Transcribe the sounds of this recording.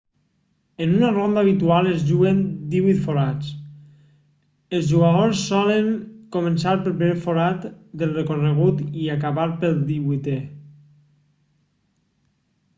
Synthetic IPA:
ənunarond̪aβ̞it̪ualezʒuɣend̪iβit̪foɾat͡s | əlˠzʒuɣaðosːɔləŋkomənsaɾpəɾpeefoɾat̪d̪əlˠrekorəɣ̞ut̪iakaβaɾpəlˠd̪iβujt̪ɛ

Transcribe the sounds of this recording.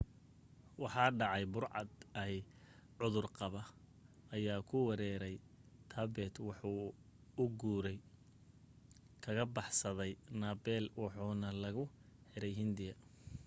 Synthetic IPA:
wɑħɑːɖɑʕɑjbʊrʕɑ̰d̪ɐɦɛ | ʕʊðʊrqɑβɐ | ɐjaːkʰʊwɑɾɛːɾɛjt̪ʰɐbɛt̪wɑħuː | ʊɡuːɾɛj | kʰɐɣɐbɑħsɐðɛjnaːbɛːlwɑħuːnɐlɐɣʊ | hɛɾɛjɦɪnd̪ɪjɐ

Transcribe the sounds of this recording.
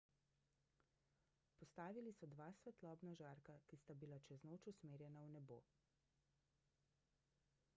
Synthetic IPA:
pɔst̪aːʋilisɔd̪ʋaːsʋɛt̪lɔːbnaʒaːɾkakist̪abilat͡ʃɛznoːt͡ʃusmeːɾjɛnawnɛbo̰ː

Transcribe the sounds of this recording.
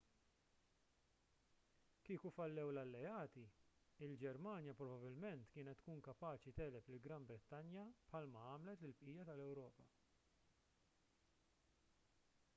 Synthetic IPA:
kiːkufɐlːɛwlɐlːɛɐːt̪iɪld͡ʒɛɾmɐːnjɐpɾɔbɐbɪlmɛnt̪kɪːnɛt̪ːkuːŋkɐpɐːt͡ʃit̪ɛːlɛplɪlɡɾɐmbɾɛt̪ːɐnjɐpħɐlmɐɐːmlɛt̪lɪlpʔiːjɐt̪ɐlɛwɾɔːpɐ

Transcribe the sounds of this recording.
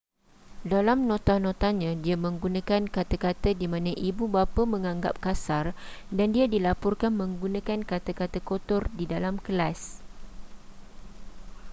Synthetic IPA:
dalamnõt̪anõt̪aɲãdiamə̃ŋɡunãkankat̪akat̪adimãnãʔibubapamə̃ŋãŋɡa̰p̚kasardandiadilapɔrkanmə̃ŋɡunãkankat̪akat̪akot̪ɔrdidalamkəlas

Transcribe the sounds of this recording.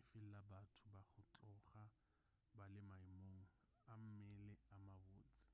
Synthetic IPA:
ɪfɪllabatʰʊbaχʊt͡ɬɔχa | balɪmaimoŋ̩ | am̩mɪlɛamaboːt͡sʼɪ̥

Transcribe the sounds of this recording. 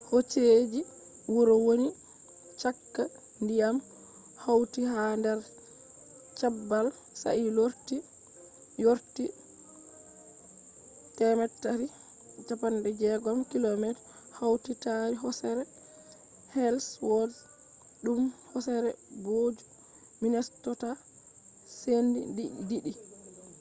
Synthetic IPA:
hot͡ʃed͡ʒi | wuɾɔwoni | t͡ʃakːa | ndijam | hawtihandɛɾ | t͡ʃabːal | sa̰ʔiloɾti | joɾti | tɛmɛtːaɾi | t͡ʃapandɛd͡ʒɛɡɔmkilɔmɛt | hawtitaɾiɦɔsɛɾɛ | hɛlswɔd | ɗumhɔsɛɾɛɡod͡ʒu | minɛstɔta | sendḭdidiɗi

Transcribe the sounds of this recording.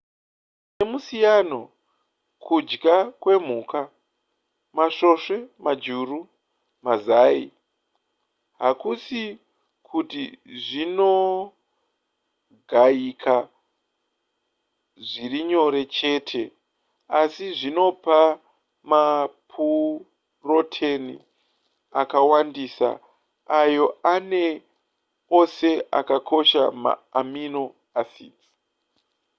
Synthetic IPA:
nemusijano̞ | kʰud͡ʒɡakwe̞m̤uka | maʂo̞ʂe̞mad͡ʒuru | mazaːḭ | ɦakusi | kʰutiʐino | ɡʱaikʰa | ʐiriɲo̞ɾe̞t͡ʃe̞ːtʰe̞ | asiʐino̞pa | mapʰu | ro̞tʰenḭ | akawandiːsa̰ | ajo̞ane̞ | ose̞a̰kakʰo̞ʃa̰ma̰ːmino̞ | asḭːd͡zi̥

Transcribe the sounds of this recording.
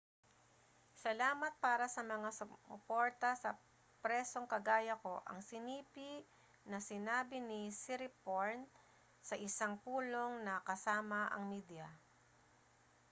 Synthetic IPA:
sɐlaːmɐt̪̚paːɾɐsɐmɐŋasʊʊpoɹt̪ɐsɐ | pɾɛso̞ŋkɐɡaːjɐko̞ʔɐ̰ŋsɪniːpi | nɐsɪnaːbɪnɪsɪɾɪpoɹn | sɐʔɪsaŋpuːlo̞ŋnɐkɐsaːmɐʔɐ̰ŋmiːd̪jɐ

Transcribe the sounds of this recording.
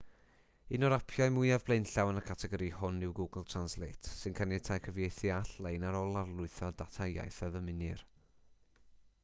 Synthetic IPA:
ɪnɔɾapʰjajmʊɨavblˠejnɬawnəkʰatʰɛɡɔɾihʊnːɪwɡuɡəl̩ˠtʰr̥anslˠejtʰsɨnkʰanɪtʰajkʰəvjejθiaɬlˠejnaɾɔlˠarlˠʊɨθɔdatʰaja̰jθəðəmɪnɪr

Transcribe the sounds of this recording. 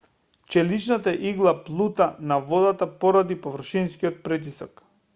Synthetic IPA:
t͡ʃɛlit͡ʃnat̪aɛʔiɡlˠaplˠut̪anavɔd̪at̪apɔɾad̪ipovr̩ʃinskiɔt̪̚pɾit̪̬isɔk

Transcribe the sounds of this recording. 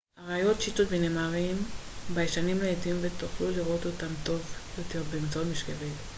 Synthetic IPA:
aʁaajo̞tʃitotbeneːmaʁimbajeʃanimleetimvet̪oχluliʁo̞t̪otamt̪o̞vjote̞ʁbemit͡saotmiʃkevit

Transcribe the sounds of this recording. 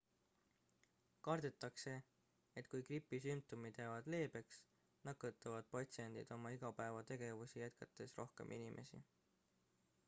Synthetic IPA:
kɑrd̪̥et̪ːˑɑkse̞ | et̪ːˑkujkripːˑisympt̪omid̪̥jævɑd̪̥le̞ːbe̞ks | nɑkːˑɤt̪ːˑɑvɑd̪̥̚pɑt̪sie̞nd̪̥ḭd̪̥o̞mɑiɡ̥ɑpæe̞vɑt̪e̞ɡ̥e̞vusijæt̪̚kɑt̪ːˑe̞sro̞hke̞̰mʔinimʔe̞̰sḭ

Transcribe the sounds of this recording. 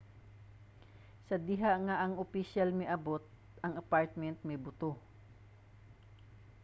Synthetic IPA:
sɐd̪ɪɦaʔŋaʔɐŋʊpiʃalmɪʔɐbot̪̚ | ʔɐŋɐpaɹt̪̚mɛnt̪̚mɛbʊt̪o

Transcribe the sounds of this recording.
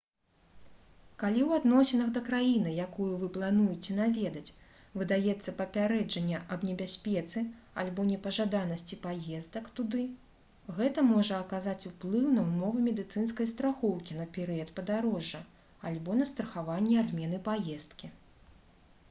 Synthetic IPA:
kalʲiwad̪nɔsʲɛnɐɣd̪ɐkɾajinɨjakujuvɨplˠanujɛt͡sʲɛnavʲɛd̪ɐt͡sʲ | vɨd̪ajɛt̪sːɐpɐpʲaɾɛd͡ʐɐnʲːɛʔɐbnʲɛbʲasʲpʲɛt̪sɨ | alʲbɔnʲɛpɐʐad̪anɐsʲt͡sʲipajɛzd̪ɐkt̪ud̪ɨ | ɣɛt̪ɐmɔʐɐːkazat͡sʲuplˠɨwnɐwmɔvɨmʲɛd̪ɨt̪sɨnskɐjst̪ɾaxɔwkʲinɐpʲɛɾɨjɐt̪pɐd̪aɾɔʐːɐ | alʲbɔnɐst̪ɾɐxavanʲːɛad̪mʲɛn̪ɨpajɛst̪kʲi

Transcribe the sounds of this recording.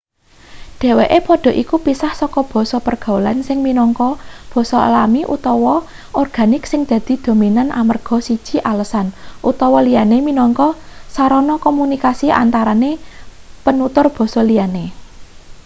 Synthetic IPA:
ɖ̥e̤weʔepɔɖ̥ɔ̤ʔikupisahsɔkɔb̥ɔ̤sɔpərɡ̥a̤ulansɪŋminɔŋkɔb̥ɔ̤sɔ̰lamiʔṵt̪ɔwɔ | ɔrɡ̥ä̤nɪksɪŋd̪̥ä̤d̪̥i̤d̪̥o̤minanʔa̰mərɡ̥ɔ̤sid̥ʒ̥i̤ʔaləsanʔut̪ɔwɔlijaneminɔŋkɔsaɾɔnɔkɔmunikasiʔa̰nt̪aɾane | pənut̪ʊrb̥ɔ̤sɔlijane

